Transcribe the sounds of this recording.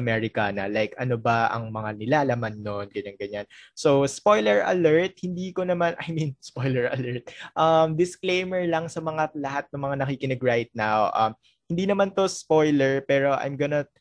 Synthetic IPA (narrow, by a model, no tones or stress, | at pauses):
ɐmɛɹɪkanɐ̰lajkɐno̞bɐʔɐ̰ŋmɐŋanɪlaːlɐmanːonɡɐɲaŋɡɐɲansowspo̞jlɛɹʔɐ̰lɛɹt̪̚hɪnd̪iːko̞nɐmanʔɐ̰jminspojlɛɹɐ̰lɛɹt̪̚ʔɐmd̪ɪsklejmɛɹlɐŋsɐmɐŋalɐhat̪̚nɐŋmɐŋanɐkiːkɪnɐɡɹajt̪̚nawʔɐm | hɪnd̪iːnɐmant̪o̞spo̞jlɛɹpɛːɾo̞ʔɐ̰jmɡɐnɐ